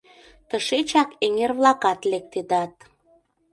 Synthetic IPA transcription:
t̪əʃet͡ɕɑkeŋerβlɑkɑt̪lek̚t̪ed̪ɑt̪̚

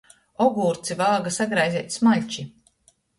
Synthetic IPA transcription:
ɔɡuːɾt̪sivalˠɡasaɡɾajziɛːt̪ʲsmaʎʲt͡ʃi

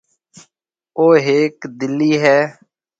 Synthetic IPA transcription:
oːɦeːkd̪ɪlːiːɦɛː

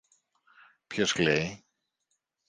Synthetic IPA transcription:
pçosklej

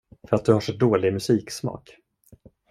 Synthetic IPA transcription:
fœɾat̪̚d̪ɵhaʂɛt̚d̪oːlɪɡmɵsiːksmɑ̰ːk

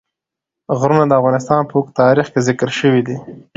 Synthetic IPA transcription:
ɣɾunad̪əavɣɑnɪs̬t̪ɑnpəwokt̪ɑɾixkezɪkəɾʃəwid̪i

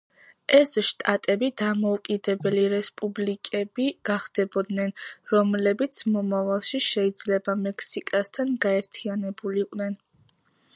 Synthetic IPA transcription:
ɛsʃt̪ʼat̪ʼɛbid̪amɔukʼid̪ɛbɛliɾɛspʼublikʼɛbiɡ̥aχd̪̥ɛbɔd̪nɛnɾɔmlɛbit̪sʰmɔmavalˠʃiʃɛid̪zlɛbamɛkʰsikʼast̪ʰanɡaɛɾt̪ʰianɛbuliːqʼnɛn

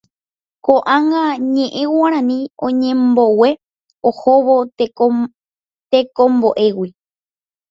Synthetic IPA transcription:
koʔãŋɡaɲẽ̞ʔẽ̞waɾ̃ãnĩõɲẽ̞mbo̞we̞ | ohoʋo | t̪ekõmbo̞ʔe̞wi

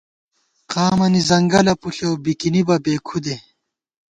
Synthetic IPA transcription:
qaːmɐnizɐŋɡɐlɐpuɬewbikinibɐbeːkʰud̪e

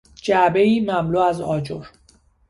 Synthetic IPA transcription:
d͡ʒæbe̞iːmæmluːæzɒːd͡ʒoɾ

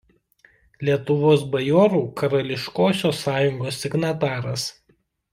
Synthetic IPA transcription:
lʲiɛt̪ʊʋoːs̬bɐjɔːɾuːkɐɾɐlʲɪʃkoːsʲoːsːɑːjʊŋɡoːsːʲɪɡnɐt̪ɑːɾɐs

